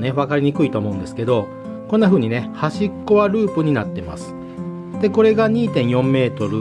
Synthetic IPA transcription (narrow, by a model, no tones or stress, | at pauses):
ne̞βakaɾʲiɲ̟ikɯ̟it̪o̞ːmo̞ɯ̃nd̪esɨ̥ke̞d̪o̞ | konːaɸɯ̟ːɲ̟ine̞haɕikːo̞βaɾɯ̟ːpɯ̟ɲ̟ina̰t̪ːe̞ma̰sɨ̥ | d̪̥e̞ko̞ɾe̞ɡaɲ̟iːt̪ẽ̞ɰ̃jõ̞mːe̞ːt̪o̞ɾɯ̟